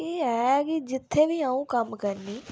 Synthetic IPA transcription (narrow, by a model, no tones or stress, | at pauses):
eɛːkɪd͡ʒɪt̪ʰːeːbʱiːaːũːkəmkəɾniː